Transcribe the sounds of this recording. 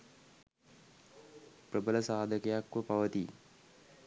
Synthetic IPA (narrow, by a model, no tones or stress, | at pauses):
prəbələsaːd̪ʱəkəjakʋəpaʋət̪i